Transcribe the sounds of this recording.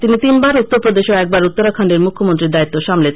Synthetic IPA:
t̪init̪inbaɾut̪ːoɾpɾod̪eʃoɛk̚baɾut̪ːoɾakʰaɳɖeɾmukʰːomont̪ɾiɾd̪ait̪ːoʃamle

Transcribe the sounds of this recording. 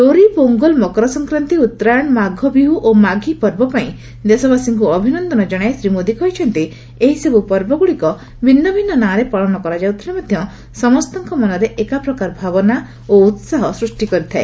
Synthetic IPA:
loɾipoŋɡɔlmɔkɾɔsɔŋkɾant̪iut̪ːɾaɔɽ̃maɡʱɔbiɦuʔomaɡʱipɔɾbɔpaĩ | d̪esɔbasiŋkuɔbʱinɔnd̪ɔnɔd͡ʒɔɽ̃aesɾimod̪ikɔjt͡ʃʰɔnt̪i | eɦisebupɔɾbɔɡuɭɽikɔ | bʱinːɔbʱinːɔnaɾepɔɭɔnɔkɔɾad͡ʒawt̪ʰinimad̪ʱjɔ | sɔmɔst̪ɔŋkɔmɔnɔɾeʔekapɾɔkaɾbʱabɔna | out̪saɦɔsɾusʈikɔɾit̪ʰae

